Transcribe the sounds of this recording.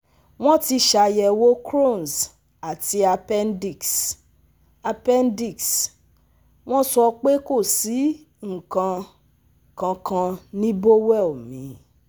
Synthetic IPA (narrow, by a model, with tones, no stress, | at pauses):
w̃ɔ̃˦ti˧ʃa˧jɛ˧wo˦kɾo˦˨n˨s | a˨ti˧˦a˧pɛ˦ndi˦˨ks | a˧pɛ˦ndi˦˨ks | w̃ɔ̃˦sɔ˧k͡pe˦ko˦˨si˨˦ | ŋ̩˨kã˧ | kã˧kã˧nĩ˦bo˦wɛ˦˨o˨mĩ˨˦